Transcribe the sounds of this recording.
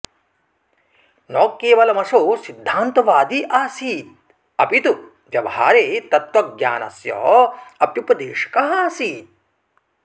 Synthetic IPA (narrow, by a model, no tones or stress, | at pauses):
nɔːkːeːʋɐlɐmɐʂoːsid̪ʱːaːnt̪ɐʋaːd̪iʔaːsiːt̪̚ | ɐpit̪u | d͡ʒɐʋa̰ːɾeːt̪ɐt̪ʋɐɡja̰ːnɐ̰sjɔ̰ːɐpjupɐd̪eːʂɐ̥kɐɦaːsiːt̪̚